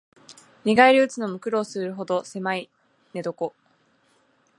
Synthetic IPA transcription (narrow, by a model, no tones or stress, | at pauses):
ɲʲiɡaiɾʲɯ̟ːt͡sɨno̞mɯ̟kɯ̟ɾo̞ːsɨɾɯ̟ɦo̞d̪o̞se̞mai | ne̞d̪o̞ko̞